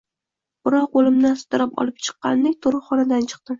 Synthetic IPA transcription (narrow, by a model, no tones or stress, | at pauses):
b̥ɪɾɒqolˠɪmd̪ansʊ̥t̪ɪɾapɒ̰lˠɪp̚t͡ʃʰɨ̥qːɑ̰nd̪ek̚ʲt̪ʰoɾɨχɒnad̪ant͡ʃʰɨ̥q̚t̪ɪ